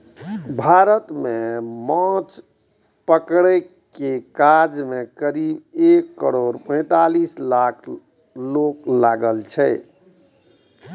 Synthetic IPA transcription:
bʱaɾət̪memãt͡ʃ | pəkɽɛ | kekad͡ʒmekəɾibekːəɾoɾpə̃ɪ̃t̪alislakʰ | loklaɡəlt͡ʃʰɛ

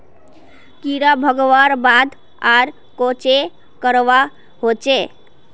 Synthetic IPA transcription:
kiːɾabʱəɡʋaːɾbaːd̪ | aɾ | koːt͡ʃe | kəɾʋa | ɦoːt͡ʃeː

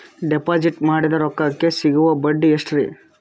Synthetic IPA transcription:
ɖepaːd͡ʒiʈmaːɽid̪ɐɾɔkːɐkːe̞siɡuʋɐbɐɖːieʂʈɾḭ

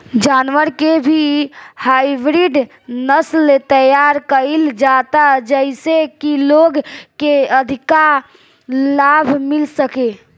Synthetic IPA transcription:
d͡ʒanʋəɾkebʱihajbɾiɖ | nəslːet̪əjaɾkəɪld͡ʒat̪ad͡ʒəɪsekiloɡkeəd̪ʱikaɾ | labʱmilsəke

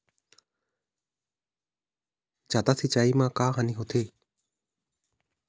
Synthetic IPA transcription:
d͡ʒaːd̪aːt̪ʰiːt͡ʃaːiːmãːkaːɦanĩːɦot̪ʰeː

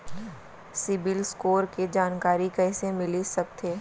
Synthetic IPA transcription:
sɪbɪlskoːɾked͡ʒaːnkaːɾikɛːsemɪlisɐbt̪ʰeː

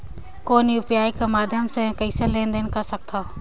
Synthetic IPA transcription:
koːniʊpjaːikmaːd̪ʱjəmsẽkəɪsəlẽːnd̪enɪkɐsɐk̚t̪ʰaː

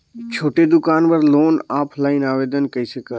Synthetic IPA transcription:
t͡ʃʰoːʈed̪ʊkaːnbəɾloːnaːpʰlaːinaːʋeːd̪ənkəisəkə

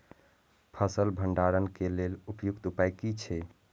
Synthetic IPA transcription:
pʰəsəlbʱəɳɖaɾənkelelupjukt̪upajkit͡ʃʰɛ

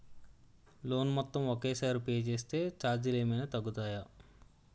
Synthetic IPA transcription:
lo̞ːnmɔt̪ːɐmokeːsaːɾipeːt͡ʃe̞ːst̪e̞ːt͡ʃaːd͡ʒileːmɐjnɐt̪ɐɡːut̪aːja

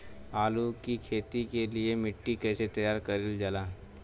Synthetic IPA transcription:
aːlukikʰet̪ikeliemɪʈːikɛːset̪ɐjaɾkəɾiːld͡ʒala

